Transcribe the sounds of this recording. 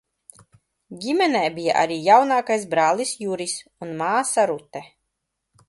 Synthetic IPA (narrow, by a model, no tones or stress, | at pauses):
ɡʲimʲɛnɛːbija̰ʔa̰ɾiːjawnaːkajsbɾaːlˠisjuɾisunmaːsaɾut̪ɛ